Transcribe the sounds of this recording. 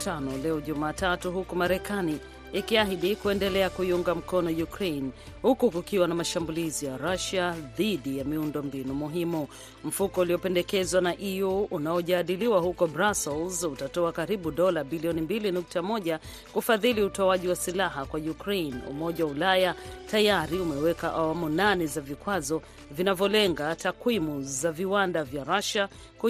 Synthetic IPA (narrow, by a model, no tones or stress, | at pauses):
tanɔlɛɔʄumaːtatuɦukumaɾɛkaniː | kiaɦiɗikuɛndɛlɛakuiuŋɡam̩kɔnɔjukɾejn | hukukukiwanamaʃambulizijaɾaʃaðiɗijamiundɔmbinumuɦimu | m̩fukɔuliɔpɛndɛkɛzwanaʔijuːnaɔʄaːɗiliwahukɔbɾasɛlzutatɔakaɾiɓuɗɔlabiliɔnimbilinuk̚tamɔʄa | kufaðiliutɔaʄiwasilaɦakwajukɾenṵmɔʄawaulajatajaɾiumɛwɛkaʔawamunanɛzavikwazɔ | vinavjɔlɛŋɡatakwimuzaviwandavjaɾaʃa | ku